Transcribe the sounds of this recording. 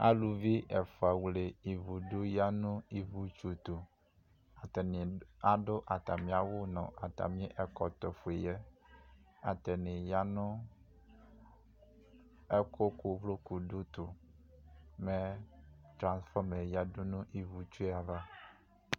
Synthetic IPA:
a̰˦lu˨vi˦ʔɛ˨fo˨a˨wle˨i˨vu˨ɖo˦ja˦nũ˦i˨vu˦t͡ʃu˦t̪o˨ | a˨tɛ˨n˨a˨ɖo˦ʔa˨t̪a˨mĩ˦a˨wo˦nɔ̰̃˨a˨t̪a̰˨mĩ˦i˦ʔɛ˦kɔ˨t̪ɔ˨fu˨e˨jɛ˦ | a̰˨t̪ɛ˨nẽ˨ja˦nũ˦ | ɛ˦ko˦ku˦vlo˦ku˨ɖu˦t̪o˨ | mɛ̃˦t̪ɾã˨sfɔ˦me˨ja˦do˦nũ˦ʔi˨vu˨t͡ʃu˦e˦a˨va˦

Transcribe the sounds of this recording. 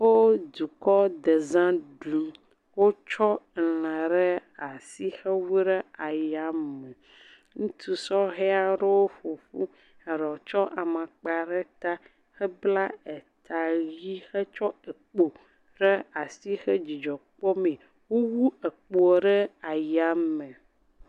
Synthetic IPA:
wo˦d̪u˨kɔ˦d̪e˨zã˦ɖu˨m | wo˦t͡ʃɔ˦˨lã˨ɖɛ˦a˨si˦xɛ˦wu˦ɖe˦a˨ja˨mɛ˨ | ŋũ˦t̪ʰu˨sɔ˦ɣɛ˦a˨ɖɛ˦wo˦fo˨fu˦ | ɛ˨ɖɛ˨wo˨t͡ʃɔ˦ʔa˨mã˨k͡pa˨ɖɛ˦t̪a˦ | xɛ˦bla˦e˨t̪ʰa˨ji˦xɛ˦t͡ʃɔ˦e˨k͡po˨ | ɖɛ˦a˨si˦xɛ˦d͡ʒi˨d͡ʒɔ˨k͡pɔ˦mẽ˨ | wo˦wu˦e˨k͡po˨ɖɛ˦a˨ja˦mɛ̃˨

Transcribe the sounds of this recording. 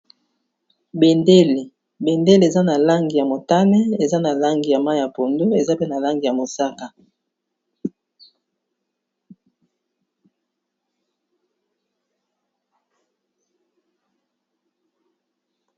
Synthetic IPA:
be˨nde˦le˨ | be˨nde˦le˨za˦na˨la˦ŋɡi˨ja˨mo˨ta˦nɛ˦e˨za˦na˨la˦ŋɡi˨ja˨ma˦ja˨po˨ndo˦e˨za˦pe˦na˨la˦ŋɡi˨ja˨mo˨sa˦ka˨

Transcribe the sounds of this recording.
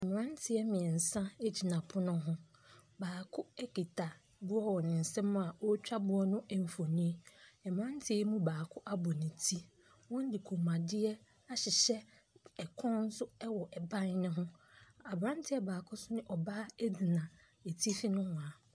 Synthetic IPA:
ɛ˨mɪ̃˨ã˦ntʰɪ˨ɛ˦mɪ̃˨ɛ˨n̩˨sã˦e˦d͡ʑi˨nã˨pʰʊ˦nʊ̃˦ɦʊ̃˦baː˨kʰʊ˦ɛ˦ki˨tʰa˨ | bʊ˦ɔ˦wɔ˨nɪ̃˨n̩˨sɛ̃˦mʊ̃˦a˨ɔ˦t͡ɕᶣa˦bʊ˦ɔ˦nʊ̃˦ʔɛ˨m̩˨fo˨nĩ˦ɛ˨mɪ̃˨ã˦n˦tʰɪ˦ɛ˦mũ˦baː˨kʰʊ˦ʔa˦bɔ˨nɪ̃˨tʰi˦ | wɔ̃˦n˦dɪ˨kʰo˨mã˨dɪ˦ɛ˦ | a˦ɕɪ˨ɕɛ˦ | ɛ˨kʰɔ̃˦n̩˦sʊ˦ɛ˦wɔ˨ʔɛ˨bã˦n˦nʊ̃˦ɦʊ̃˦a˨bɾã˦n˦tʰɪ˦ɛ˦baː˨kʰʊ˦sʊ˦nɪ̃˦ʔɔ˨baː˦e˦di˨nã˨ | e˨tʰi˦fi˦nʊ̃˦hʊ̃˨a˨

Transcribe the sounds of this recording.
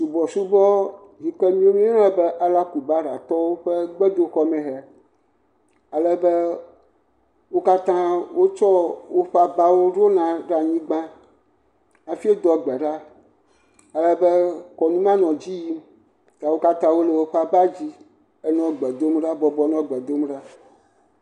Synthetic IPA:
su˨bɔ˨su˦bɔ˦ | ɦi˨ke˦mĩ˦o˦mĩ˦nɛ̃˦bɛ˦ʔa˨la˦ku˨ba˦ɖa˨t̪ɔ˦wo˦ɸe˦ɡ͡bɛ˦d̪o˦xɔ˦mɛ̃˨ɦɛ˨ | a˨lɛ˦be˦ | wo˦ka˦t̪ã˦wo˦t͡ʃɔ˦wo˦ɸa˨ba˦wo˦ɖo˦nã˨ɖa˨ɲĩ˦ɡ͡bã˦ | a˨fi˦e˦d̪ɔ˨ɡ͡bɛ˨ɖa˦ | a˨lɛ˦be˦kɔ˨nũ˦mã˦nɔ̃˨d͡ʑi˦ji˦ | t̪a˨wo˦ka˦t̪ã˦wo˦le˨wo˦ɸa˨ba˦d͡ʑi˦ | e˦nɔ̃˨ɡ͡bɛ˨d̪o˦mɖa˦bɔ˨bɔ˦nɔ̃˦ɡ͡bɛ˨d̪o˦mɖa˦

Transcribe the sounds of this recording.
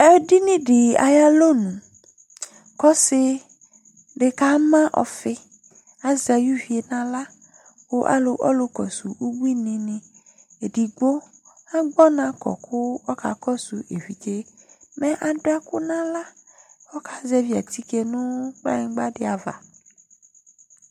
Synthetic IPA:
ɛ˦ɖi˦nĩ˦ɖɪ˨a̰˨ja˦lo˦nũ˨ | kɔ˦sɪ˦ | ɖɪ˨ka˦mã˦ʔɔ̰˨fɪ˦ | a˨za˨ju˦vi˨e˨nã˦la˦ | wo˦ʔa̰˦lo˨ʔɔ̰˦lo˨kɔ˨su˨wu˦bi˦nɪ̃˨nɪ̃˨ | e˨ɖi˨ɡ͡bo˦ | a˦ɡ͡bɔ˦nã˦kɔ̰˨kʰʊ˦wɔ˦ka̰˨kɔ˦su˨ʔe˨ɸi˨d͡ʒe˦me˦ʔa˨ɖo˦a˦kʊ˦nã˦la˦wɔ˦ka˨zɛ˦vi˦a̰˨t̪i˦ke˨nʊ̃˦k͡pã̰˦ɡ͡ba˦ɖe˨a˨va̰˨

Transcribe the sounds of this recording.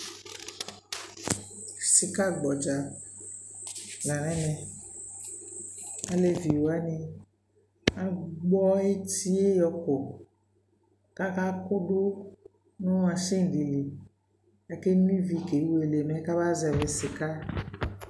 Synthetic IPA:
si˨ka˦ɡ͡bɔ˨d͡ʒa˨ | la˨nɛ̃˦nɛ̃˨ | a˦le˨vi˨wo˨a˦nĩ˨ | a˨ɡ͡bɔ˦e˦t̪i˦e˦jɔ˨ko˨ | ka˦ka˦ko˦ɖo˦ | nũ˦a˨ʃe˦ŋ˨ɖi˨li˨ | a˨ke˦ñ˦ĩ˦vi˨ke˨˦we˨le˨mɛ̃˨˦ka˦ba˦zɛ˨be˨si˨ka˦

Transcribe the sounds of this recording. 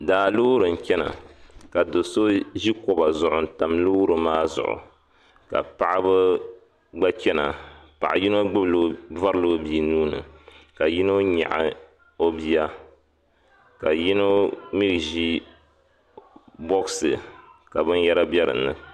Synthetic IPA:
daː˨lu˦ɾɨ˨n̩˨t͡ʃɛ˦na̰˨ka˨do˨so˦ʒi˦kɔ˨ba˨zʊ˨ʔʊ˨n̩˨ta˨mlu˦ɾɨ˨maː˦zʊ̰˨ʔʊ̰˨ | ka̰˨pa˨ʔa˦bɨ˦ | ɡ͡ba˦t͡ʃɛ˦na̰˨pa̰˨ʔa˨ji˦no˦ɡ͡bɨ˦blo˦va˦ɾɨ˦loː˦bi˨nuː˦nɨ̰˨ka˨ji˦no˦ɲa̰˨ʔa̰˨ | o˦bi˦a˦ | ka˨ji˦no˦mi˦ɡʒi˦ | bɔ˦ksɨ˨ka˨bɨ˦n˦jɛ˦ɾa˦bɛ˦ɾɨ̰˨nːɨ̰˨

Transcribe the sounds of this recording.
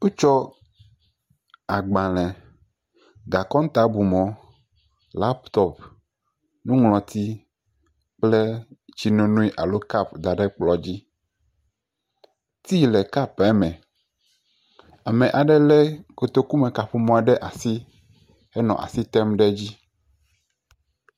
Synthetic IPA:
u˦t͡ʃɔ˦ | a˨ɡ͡bã˨lɛ̃˨ | ɡa˨kɔ̃˦ŋ˦t̪a˦bu˨mɔ̃˨ | la˦pt̪ɔ˦˨p | nũ˦ŋlɔ̃˨t̪i˦ | k͡plɛ˦t͡ɕi˦nõ˨nũ˦i˦ʔa˨lo˦ka˦˨pd̪a˨ɖɛ˦k͡plɔ˨d͡ʑi˦ | t̪i˦lɛ˨ka˦pa˨˦mɛ̃˨ | a˨mɛ̃˨ʔa˨ɖɛ˦lɛ˦ko˨t̪o˦ku˦mɛ̃˨ka˨ɸu˦mɔ̃˦a˨ɖɛ˦ʔa˨si˦ | ɛ˦nɔ̰̃˨ʔa̰˨si˦t̪ɛ˦mɖɛ˦d͡ʑi˦

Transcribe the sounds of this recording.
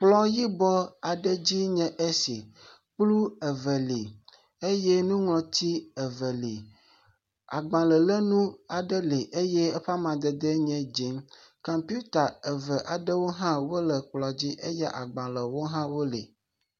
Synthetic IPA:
k͡plɔ˦ji˦bɔ˦a˨ɖə˦d͡ʑi˦ɲɛ̃˦ʔe˦si˨ | k͡plu˦ə˨və˨li˨ | e˦je˦nũ˦ŋlɔ̃˨t̪i˦ə˨və˨li˨ | a̰˨ɡ͡bã˨lə˨lə˦nũ˦a˨ɖə˦le˨ʔe˦je˦e˦ɸa˦mã˨d̪ə˨d̪e˦ɲɛ̃˦d͡ʒi˨˦nkɔ˨mpu˦t̪a˨ə˨və˨ʔa˨ɖə˦wo˦ɦã˦wo˦lə˨k͡plɔ˨d͡ʑi˦ʔe˦jɛ˦ʔa˨ɡ͡bã˨lə˨wo˦ɦã˦wo˦lḛ˨

